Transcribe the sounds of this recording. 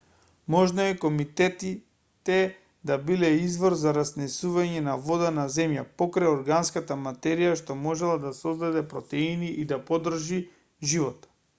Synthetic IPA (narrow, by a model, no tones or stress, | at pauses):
mɔʒnɔɛkomit̪ɛt̪i | t̪ɛ | d̪abilɛizvɔɾzaɾasnɛsuvaɲɛnavɔd̪anazɛmjapɔkɾajɔɾɡanskat̪amat̪ɛɾijaʃt̪omɔʒɛlˠad̪asɔzd̪ad̪ɛpɾɔt̪ɛiniʔid̪apɔd̪r̩ʒi | ʒivɔt̪